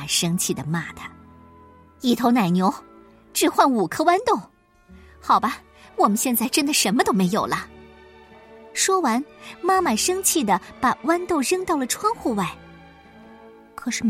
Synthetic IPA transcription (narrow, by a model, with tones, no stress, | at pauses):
ʂɤ˥ŋt͡ɕʰi˥˩d̪ə˩ma˥˩d̪ə˩ | i˥˩t̪ʰo˧˥na˨˩ɪnjo˧˥ʊ | ʈ͡ʂɻ̩˥˩xwa˥˩nu˨˩kʰɤ˥wa˥nt̪o˥˩ʊ | xɑ˨˩ʊbɐ˦ | wɔ˨˩mə˦nɕjɛ˥˧nt͡sa˥˩ɪʈ͡ʂə˥nd̪ə˨ʂə˧˥nmə˧t̪o˥ʊme˧˥ɪjo˨˩ʊlə˦ | ʂwɔ˥wa˧˥nma˥˩ma˨˩ʂɤ˥ŋt͡ɕʰi˥˩d̪ə˩pa˨˩wa˥nt̪o˥˩ʊɻɤ˥ŋt̪ɑ˥˩ʊlə˩ʈ͡ʂʰwɑ˥ŋxu˥˧wa˥˩ɪ | kʰɤ˨˩ʂɻ̩˥˩